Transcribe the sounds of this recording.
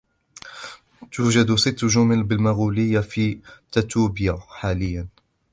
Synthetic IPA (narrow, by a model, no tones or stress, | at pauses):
t̪uːd͡ʒad̪sɪt̪ːʒʊmɪlbɪlmaɣuːlɪjːafit̪at̪uːbɪjaħaːlɪjːan